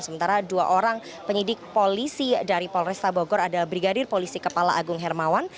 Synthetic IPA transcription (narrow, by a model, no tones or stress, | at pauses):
səmənt̪aɾadua̰ʔoɾaŋ | pəɲidɪk̚polisidaɾipɔlrɛst̪abɔɡɔɾadalahbɾiɡadɪrpolisikəpalaʔaɡʊŋɦɛrmawan